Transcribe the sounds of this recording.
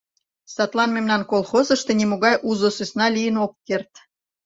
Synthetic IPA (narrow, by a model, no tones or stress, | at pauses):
sɑt̪lˠɑnmemnɑnkolˠxozə̆ʃt̪enimoɣɑjʔuzosøsnɑlijənokːert̪